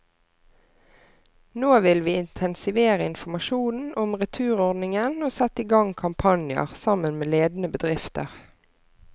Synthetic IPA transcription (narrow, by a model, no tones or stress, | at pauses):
noːʋɪlʋiːɪnt̪ʰɛnsɪʋeːʁəɪnfɔmɑʃuːnn̩ʔɔmʁɛt̪ʰʉːʁɔʁd̪nɪŋənoːsɛt̪ːiːɡɑŋkʰɑmpʰɑnjə̰ʁsɑmənmeːleːd̪nəbəd̪ʁɪft̪ə̰ʁ